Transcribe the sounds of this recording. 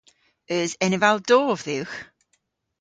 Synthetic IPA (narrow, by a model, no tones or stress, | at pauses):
əzɛnɪvalˠdɔːvðɪwx